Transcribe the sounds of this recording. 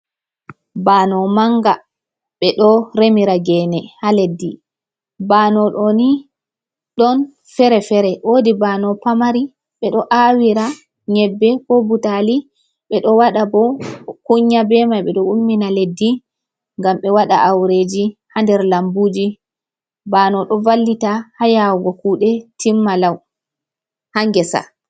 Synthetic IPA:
baːnɔmaŋɡa | ɓɛɗɔɾemiɾaɡɛːnɛhaledːi | banɔɗɔni | ɗɔn | fɛɾɛfɛɾɛwodibanɔpamaɾi | ɓɛɗɔʔawiɾa | ɲɛbːɛkɔbutali | ɓɛɗɔwaɗabɔkuɲːabɛmajɓɛɗɔumːinaledːi | ŋɡamɓɛwaɗa̰ʔawɾeːd͡ʒihandɛɾlambuːd͡ʒi | baːnɔɗɔvalːitahajawɡɔkuɗɛtimːalaw | haŋɡɛsa̰

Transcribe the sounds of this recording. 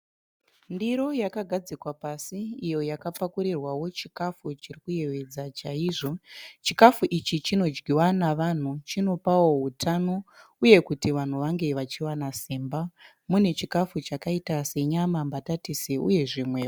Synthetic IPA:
ndiɾo̞jakaɡʱad͡zikwapasiːjo̞jakapakuɾirwawo̞t͡ʃikafut͡ʃirikuje̞ʋe̞d͡zat͡ʃaiʐo̞t͡ʃikafuʔit͡ʃit͡ʃino̞d͡ʒɡiwanaʋan̤ut͡ʃino̞pawo̞ɦutʰano̞uje̞kutiʋan̤uʋaŋɡe̞ʋat͡ʃiwanasiːmba | mune̞t͡ʃikafut͡ʃakaitase̞ɲamambatatiseuje̞ʐimwe

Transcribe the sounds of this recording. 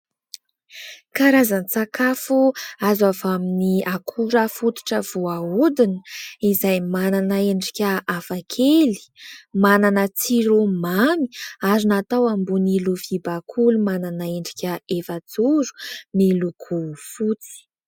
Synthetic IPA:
kaɾazanit͡sakafuazavaminiʔakʰuɾəfut̪u̥ʈ͡ʂəv̥uaud̪inə̥izajmananaeɳɖ͡ʐi̥kʲəʔafakʰeli̥mananət͡siɾomami̥azunat̪awambuniluvibakʰulumananaeɳɖ͡ʐikʲəefad͡zuɾu̥miluɡʰufut͡si̥

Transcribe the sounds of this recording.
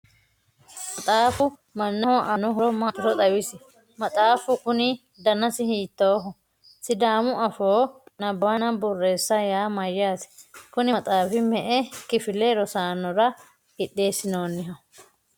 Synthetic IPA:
mɐt̪ʼaːfʊ | mɐnːɐhɔʔɐnɔɦɔɾɔmat̪ʊɾɔt̪ʼɐwɪsɪ | mɐt̪ʼaːfʊkʊnɪ | d̪ɐnɐsɪhiːt̪ːoːɦʊ | sɪd̪aːmʊɐfoːnɐbːanɐbʊrːe̞ːsːɐjaːmɐjːaːsɪ̥kʊnɪt̪ʼaːfɪmɛʔɛkɪfɪlɛɾɔsaːnɔɾɐ | ɪɗːe̞ːsːɪno̞ːnːɪɦɐʊ

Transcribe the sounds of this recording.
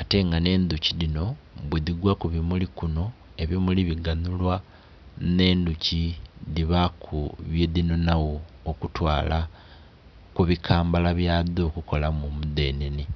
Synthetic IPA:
ate̞ŋɡane̞ːnd̪ucilino̞βweðiɡwakuβimulikuno̞ | e̞βimuliβiɡanulwa | ne̞ːnduciðiβakʰuβjeðino̞nawo̞ː | kutwaːla | kuβikʰaːmbalaβjaːðo̞kuko̞lamumuðe̞ːneni

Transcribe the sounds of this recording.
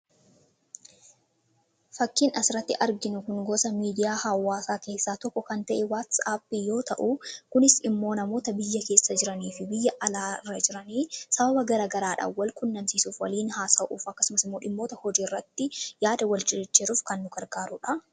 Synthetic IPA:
fɐkːiːnɐsɪɾɐt̪ːɪʔɐɾɡɪnʊkʊŋɡɔsɐmiːd̪ɪjaːhɐwːaːsaːke̞ːsːaːt̪ɔkːɔkɐnt̪ɐʔɛwat̪saːpːijo̞ːt̪ɐʔukʊnɪsɪmːo̞ːnɐmo̞ːt̪ɐbɪjːɐke̞ːsːɐd͡ʒɪɾɐniːfɪbɪjːɐʔɐlaːrːɐd͡ʒɪɾɐniːsɐbɐbɐɡɐɾaːɡɐɾaːᶑa̰wɐlkʊnːɐmsiːsuːfwɐliːnɦaːsaːʔṵːfɐkːɐ̥sʊmɐsɪmːo̞ːᶑɪmːo̞ːt̪ɐhɔd͡ʒiːrːɐt̪ːɪjaːd̪ɐwɐlt͡ʃɪɪt͡ʃːeːɾuːfkɐnːʊɡɐɾɡaːɾʊᶑɐ

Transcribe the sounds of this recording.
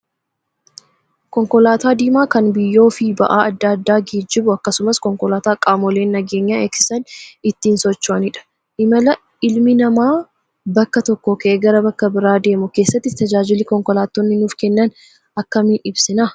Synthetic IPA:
kɔŋkɔlaːt̪aːd̪iːmaːkɐnbɪjːo̞ːfɪbɐ̰ʔaːɐd̪ːaːd̪ːaːɡiːd͡ʒːɪbʊɐkːɐsʊmɐskɔŋkɔlaːt̪aːkʼaːmɔle̞ːnːɐɡeːɲːaɛksɪ̥sɐnɪt̪ːiːnsɔt͡ʃːʊʔɐnɪᶑɐ̥ | ʔɪmɐlɐ | ɪlmɪnɐmaː | bɐkːɐt̪ɔkːokɐʔeɡɐɾɐbɐkːɐbɪɾaːd̪e̞ːmʊke̞ːsːɐt̪ːɪt̪ɐd͡ʒaːd͡ʒɪlikɔŋkɔlaːt̪ːɔnːɪnuːfkɛnːɐn | ɐkːɐmiʔɪbsɪnaː

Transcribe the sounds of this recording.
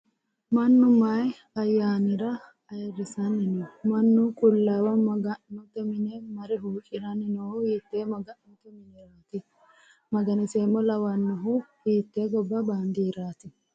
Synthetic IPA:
mɐnːʊmɐj | ɐjːaːnɪɾɐ | ɐɛɾɪsɐnːɪnɔmɐnːʊkʼʊlːaːwɐmɐɡɐʔnʊt̪ɛmɪnɛmɐɾɛɦuːkʼɪɾɐnɪnɔhʊhiːt̪ːemɐɡɐʔnʊt̪ɛmɪnɛɾaːt̪ɪ | mɐɡɐnɪseːmːɔlɐwɐnːɐɦʊhiːt̪ːeɡɔbːɐbaːnd̪iɾaːt̪ɪ

